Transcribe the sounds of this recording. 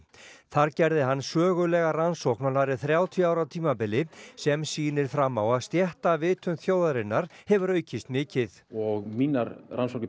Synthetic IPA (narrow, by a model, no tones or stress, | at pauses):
θaɾcɛɾðɪɦanːsœːɣʏlɛɣaransowhknalaɾɪθɾjaːwt̪ʰiaːwɾawt̪ʰiːmapɪlːɪsɛmsiːnɪɾ̥fɾamːawaðst̪jɛht̪avɪːt̪ʏnθjoːwðaɾɪnːaɾ̥hɛvʏɾœːɥcɪst̪mɪːcɪθɔɣmiːnaɾransɔwknɪ